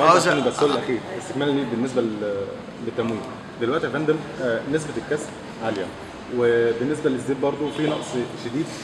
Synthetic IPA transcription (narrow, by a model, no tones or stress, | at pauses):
ʔæʔænibæsollʔæxiːɾʔest̪ekmæːlliːbenːes̬bæ | let̪ːæmwiːm | d̪elwæʔt̪ihæfænd̪æmnes̬bet̪lkːæs | ʕaljæ | webenːes̬bælezːeːb̪̚bɑɾˤd̪ˤofiːnɑ̰ʔsˤʃed̪iːd̪